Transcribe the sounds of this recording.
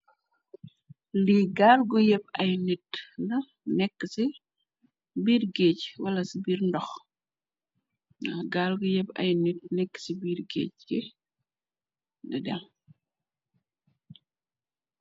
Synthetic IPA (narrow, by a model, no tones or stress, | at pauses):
liɡaːlɡujɛpɐjnitnɐ | nɛkːəsi | biːrɡeːcwɐlɐsibiːrndɔx | nɐɡaːlɡujɛpɐ̰jnit̚nɛkːə̥sibiːrɡḛːcɛ | nidɛl